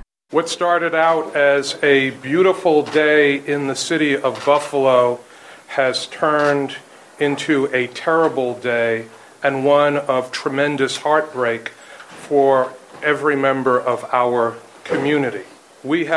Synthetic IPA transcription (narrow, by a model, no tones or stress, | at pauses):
wʌtstɑɹɾɨɾaʊɾɨzɨbjʉɾəfl̩ˠdeɪɪ̃nðɨsɪɾiʌvbʌfəloʊ | ɨz̥tʰɜ̃˞nd | ɪ̃ntʰʉɨtʰɛɹəbl̩ˠdeɪ | ɨ̃nwʌ̃nʌv̥tʰɹ̥ɨmɛ̃ndɨshɑɹt̚b̥ɹeɪk | fə˞ɛvɹimɛ̃mbə˞ʔʌvaʊə˞ | kʰɨmjʉnɨɾi | wi